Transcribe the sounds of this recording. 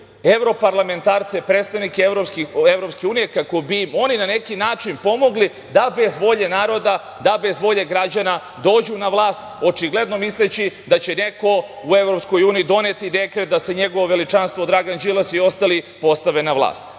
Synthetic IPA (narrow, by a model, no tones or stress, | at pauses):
e̞ʋɾo̞paɾlˠame̞nt̪aːɾt̪sepɾet̪st̪aʋnikeʋɾopkieʋɾopske̞uːnije̞kako̞bimo̞ninane̞kinaːt͡ʃinpo̞mo̞ɡli | d̪abe̞zʋo̞ʎe̞naːɾo̞d̪a | d̪abe̞zʋo̞ʎe̞ɡɾad͡ʑana | d̪o̞ːd͡ʑunaʋlˠaːst̪o̞t͡ʃiɡle̞d̪no̞mislet͡ɕid̪at͡ɕe̞ne̞ko̞ | ue̞ʋɾo̞psko̞juːnijid̪o̞net̪id̪e̞kɾet̪̚d̪aseɲe̞ɡoʋo̞ʋe̞lit͡ʃanst̪ʋo̞d̪ɾaɡand͡ʒilˠasio̞st̪alipo̞st̪aʋe̞naʋlˠa̰ːst̪